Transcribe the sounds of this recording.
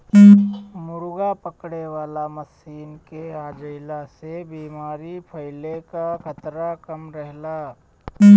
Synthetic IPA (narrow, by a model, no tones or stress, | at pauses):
mʊɾʊɡapəkɽeʋaːlamɐsiːnkeaːd͡ʒəɪlasebiːmaːɾipʰɐɪlekakʰət̪ɾakɐmɾəɦlaː